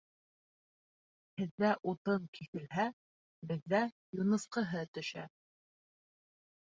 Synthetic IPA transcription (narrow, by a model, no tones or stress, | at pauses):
hɘ̆ðːæʔut̪ɤŋkiθɘ̆lɦæ | bɘ̆ðːæ | junɤ̆sqɤ̆ɦɤt̪ɵ̆ʃæ̰